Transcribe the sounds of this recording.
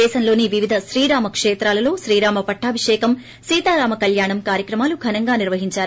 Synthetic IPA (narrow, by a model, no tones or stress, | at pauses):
ɛːʃɐnlo̞ːniʋiʋid̪ʱɐʃɾiːɾaːmɐkʂɛːt̪ɾaːlɐlo̞ːʃɾiːɾaːmɐpɐʈʰːaːbʱiʂɛːkɐm | siːt̪aːɾaːmɐkɐljaːɳɐmkaːɾjɐkɾɐmaːluɡʱɐnɐŋɡaːniɾʋɐɦiɲt͡ʃaːɾu